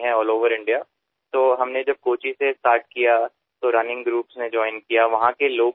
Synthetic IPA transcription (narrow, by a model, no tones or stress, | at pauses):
ɦɛ̃ɔːloːʋəɾɪ̃ɳɖijaː | t̪oːɦɐmned͡ʒɐb̚koːt͡ʃisesʈaːɾʈ̚kija | t̪oɾɐnɪ̃ŋɡɡɾuːpsned͡ʒɔːɪnkijaʋɐɦãkeloː